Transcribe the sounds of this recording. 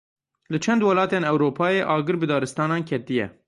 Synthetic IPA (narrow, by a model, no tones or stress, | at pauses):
lɨt͡ʃʰɛnd̪wɛlɑːt̪eːnɛwɾoːpʰɑːjeːʔɑːɡɨɾbɨd̪ɑːɾɨst̪ɑːnɑːnkʰɛt̪ijɛ̰